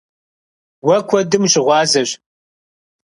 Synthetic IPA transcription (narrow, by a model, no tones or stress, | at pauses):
wɐkʷʰɔdɨmʒɪʁʷɑːzɐɕ